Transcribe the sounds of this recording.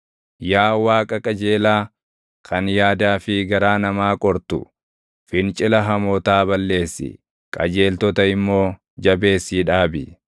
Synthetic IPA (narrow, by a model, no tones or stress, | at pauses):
jaːwaːkʼɐkʼɐd͡ʒe̞ːlaː | kʰɐnjaːd̪aːfɪɡɐɾaːnɐmaːkʼɔɾt̪ʊ̰ | fɪnt͡ʃʼɪlɐɦɐmɔːt̪aːbɐlːe̞ːsːɪ̰ | kʼɐ̰d͡ʒe̞ːlt̪ɔt̪ɐɪmːo̞ː | d͡ʒɐbe̞ːsːiːᶑaːbɪ